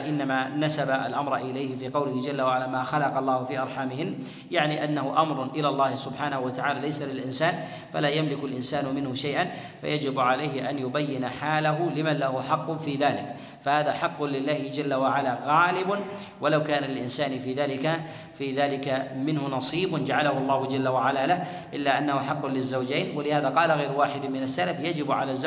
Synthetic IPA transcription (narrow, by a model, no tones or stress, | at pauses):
ʔɪnːamanasabaʔa̰lʔamɾˤʔɪlajhɪfiːqɑwlɪhɪd͡ʒalːawaʕalaːmaːxɑlɑqɑlˤːɑːhʊfiːʔɑɾˤħaːmɪhɪnː | jaʕniʔanːahʊʔamɾˤʊʔɪlaːlˤːɑːhɪsʊbħaːnahʊwat̪aʕaːlaːlajsalɪlʔɪnsaːn | fa̰laːjamlɪkʊlʔɪnsaːnʊmɪnhʊʃajʔan | fa̰jʔad͡ʒɪbʕalajhɪʔanjʊbajːɪnaħaːlaɦʊlɪmanlahʊħɑqːʊnfiːðaːlɪk | fahaːðaħɑqːʊnlɪlːaːhɪd͡ʒalːawaʕalaɣaːlɪbʊn | walawkaːnalɪlʔɪnsaːnfiːðaːlɪka | fiːðaːlɪkamɪnhʊnɑsˤiːbʊnd͡ʒaʕalahʊɑlˤːɑːhʊd͡ʒalːawaʕalalah | ʔɪlːaʔanːahʊħɑqːʊnlɪzːawd͡ʒeːnwalɪhaːðaqɑːlaɣajɾwaːħɪd̪mɪnasːalafjad͡ʒɪbʕa̰lazː